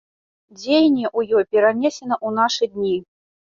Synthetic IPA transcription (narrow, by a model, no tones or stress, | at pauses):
d͡zʲejnʲɛʔujɔjpʲɛɾanʲɛsʲɛnɐʔunaʂɨd̪ʲnʲi